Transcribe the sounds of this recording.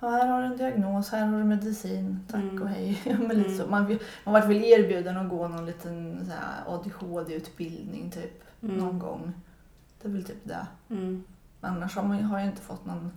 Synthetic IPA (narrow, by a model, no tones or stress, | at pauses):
ɑhæːɾhaɖɵɛnd̪ɪaɡnoːshæːɾhaɖɵmɛd̪ɪsiːnt̪ʰakːɔhɛjmɛliːt̪əsɔmanvɪlmanvaʈ̪vɪleːɾbjʉ̟ːd̪anɔɡoːnɔnliːt̪ʰənsæ̰ɾɔ̰d̪ɪhoːd̪ɛʉ̟ːt̪bɪld̪nɪ̰ŋt̪ʰyːp | nɔnɡɔ̰ŋː | d̪̥ɛvɪlt̪ʰy̰ːp̚d̪ɛ̰ | mɛnanːaʂhamaɦaɾjaɪnt̪ə̥fɔt̪ːnɔn